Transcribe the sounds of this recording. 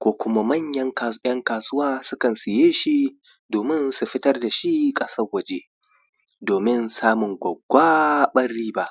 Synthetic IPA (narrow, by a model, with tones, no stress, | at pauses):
kʷoː˦kʷʊ˦ma˦mɐ˦ɲjɐ˦ŋ˨jɐ˦ŋkaː˨sʊ˦waː˦sʊ˦kɐ˨nsɪ˨jeː˦ʃi˦ | doː˨mɪ˦nsu˨ɸɪ˦tɐ˦rda˨ʃi˦kʼɐ˦sɐ˦rwɐ˨d͡ʒeː˦ | doː˨mɪ˦nsaː˦mʊ˨ŋɡʷɐ˨ɡʷaː˦ɓɐ˦rːiː˦ba˨ʔ